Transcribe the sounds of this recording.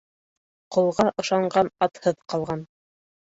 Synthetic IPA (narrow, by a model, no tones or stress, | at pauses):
qŏlˠʁɑʔɤ̆ʃɑɴɢɑnɑt̪hɤðqɑlˠʁɑn